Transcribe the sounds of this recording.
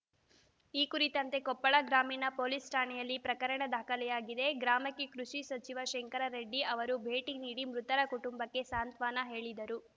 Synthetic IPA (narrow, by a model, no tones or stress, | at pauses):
iːkuɾit̪ɐnt̪e̞kɔpːɐɭɐɡɾaːminɐpoːlisʈaːɳɛjɐlːipɾɐkɐɾɐɳɐd̪aːkɐlɛjaːɡid̪e̞ɡɾaːmɐkːikɾuʂisɐt͡ʃiʋɐʃeŋkɐɾɐɾeɖːiʔɐʋɐɾubʱeːʈiniːɽimɾut̪ɐɾɐkuʈumbɐkːe̞saːnt̪ʋaːnɐɦe̞ːɭid̪ɐɾu